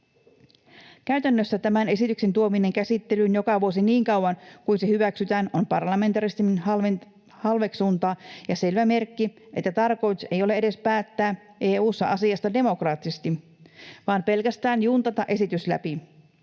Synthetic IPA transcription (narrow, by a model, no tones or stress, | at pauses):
kæyt̪ænːøsːæt̪æmæne̞sit̪ykse̞nt̪uomine̞ŋkæsit̪ːe̞lynjo̞kɑʋuosiniːŋkɑwwɑnkuinsehyʋæksyt̪æːnompɑrlɑme̞nt̪ɑɾist̪in | hɑlʋe̞ksuːnt̪ɑːjɑse̞lʋæme̞rkːi | ʔe̞t̪ːæt̪ɑrko̞jt̪usejole̞eɾe̞spæːt̪ːæː | ʔeːuːsːɑʔɑsiɑst̪ɑde̞mo̞krɑːt̪ːisest̪i | ʋɑːmpe̞lkæst̪æːnjuːnt̪ɑt̪ɑʔe̞sit̪yslæ̰pi